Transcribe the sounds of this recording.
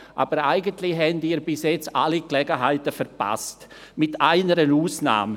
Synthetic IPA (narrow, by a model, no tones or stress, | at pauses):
ʔa̰ːb̥əɾaɪɡəntlɪɦɛndiːɾbɪsjɛt͡saliklɛɡəɦaɪtəfɛɾpa̰st | mɪtʰaɪnəɾənuːsna̰ːm